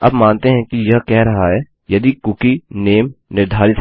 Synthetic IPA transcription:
ɐbmaːnt̪eɦɛ̃kijɐɦkɛɦɾɐɦaɦɛː | jɐd̪ikʊkineːmnɪɾd̪ʱaːɾɪt̪

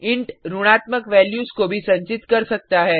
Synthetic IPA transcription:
ɪ̃ɳʈɾuɽ̃aːt̪məkʋɛːljuːskobʱisɐ̃ɲt͡ʃɪt̪kɐɾsɐk̚t̪aɦɛː

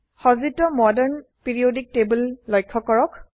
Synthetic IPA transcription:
xɔzitɔmɔdɛɹnpiɹiodik̚tebulːɔjkʰːɔkɔɹɔk

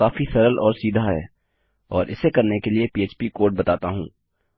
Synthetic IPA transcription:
aːfisɐɾəlɔːɾsiːd̪ʱaɦɛ̰ː | ɔːɾʔɪ̰sekɐɾnekeliepieːt͡ʃpikoːɾʈ̚bɐt̪aːt̪aɦṵ̃ː

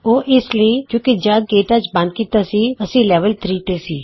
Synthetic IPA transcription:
oːʔɪsləĩːkjõːkid͡ʒəd̪̚ɡeːʈət͡ʃbə̃nd̪̚kiːt̪aːsiːəsĩːlɛːʋəlt̪ɾiːt̪eːsiː

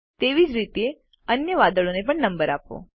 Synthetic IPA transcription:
t̪eʋid͡ʒɾit̪ee | ənjəʋad̪əɭonep̬əɳnəmbəɾapʋo̰

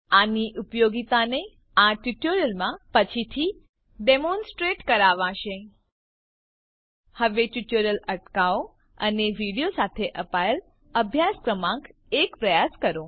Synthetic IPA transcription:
aniʔupjoɡit̪ane | aʈjuʈoɾjəlmãpət͡ʃʰit̪ʰi | ɖemõnsʈɾeʈkəɾaʋãʃe | həʋeʈuʈoɾjələʈkao | əneʋiɽijosat̪ʰeʔəpaəl | əbʱjaskɾəmãk | ekpɾəjaskəɾõ

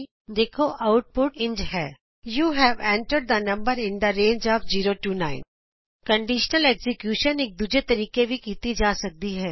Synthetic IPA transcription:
d̪eːkʰoʔaʊʈ̚pʊʈɪ̃nd͡ʒɦɛː | juːɦɛʋɛ̃ːɳʈəɾɖ̚d̪ənɐ̃mbəɾɪ̃nd̪əɾẽːnd͡ʒɔːfd͡ʒiːɾoʈuːnãːɪ̃n | kɐ̃ɳɖɪʃnəleːksɪkjuːʃəneːk̚d̪ud͡ʒet̪ɐɾiːkebʱikiːt̪id͡ʒaːsɐk̚d̪iɦɛː

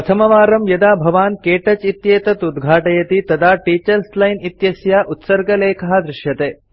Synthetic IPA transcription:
pɐt̪ʰɐmɐʋaːɾɐmjɐd̪aːbʱɐʋaːnkeːʈɐt͡ʃit̪jeːt̪ɐt̪ud̪ɡʱaːʈɐjɐt̪it̪ɐd̪ʱaːʈiːt͡ʃɐɾslɐjnit̪jɐsjaːʔut̪sɐɾɡɐleːkʰɐɦɐd̪ɾɪʂjɐt̪eː

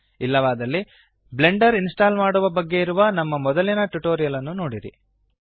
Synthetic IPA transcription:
ilːɐʋaːd̪ɐlːi | ble̞ɳɖɐɾinsʈaːlmaːɽuʋɐbɐɡːe̞iɾuʋɐnɐmːɐmɔd̪ɐlinɐʈuʈoːɾijɐlɐnːuno̞ːɽiɾḭ

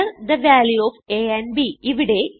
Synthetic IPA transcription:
ɐɾd̪ɐʋaːljuoːʋeːenbiʔiʋiɽe̞

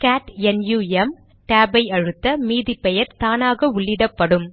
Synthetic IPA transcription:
kaːʈɛnjuːɛm | ʈaːbɐɪɐɻɯt̪ːɐmiːðipɛjɐɾt̪aːnaːɣɐʊɭːɪðɐpːɐɽɯm

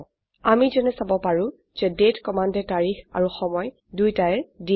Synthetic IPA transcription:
amizɛnɛsabɔpaɹũ | z̥ɛdetkɔmandɛtaɹixa̰ɹuxɔmɔj | dujtaɛdi

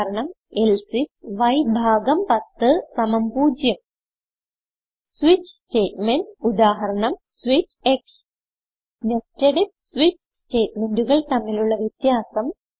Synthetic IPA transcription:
ɾɐɳɐm | elsisʋɐjbʱaːɡɐmpɐt̪ːɨsɐmɐmpuːd͡ʑjɐm | swit͡ɕste̞ːtmenɖud̪aːɦɐɾɐɳɐmswit͡ɕeks | nesteɽip̚sʋit͡ɕ | sʈe̞ːt̚menduɣɐɭt̪ɐmːiluɭːɐʋjet̪jaːsɐm

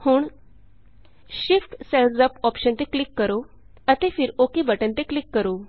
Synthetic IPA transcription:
huːɳ | ɕifʈseld͡zəpɔpɕənt̪eklikːəɾo | ət̪efiːɾokibəʈənt̪eklikːəɾo

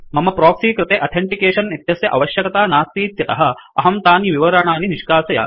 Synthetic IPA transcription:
mɐmɐpɾoːksiːkɾɪt̪eːʔɐt̪ʰeɳʈikeːʂɐnːit̪jɐsjɐʔɐʋɐʃjɐkɐt̪aːnaːst̪iːt̪jɐt̪ɐɦɐ̆ɐɦɐmt̪aːniʋiʋɐɾɐɳaːniniʂkaːsɐja̰ː

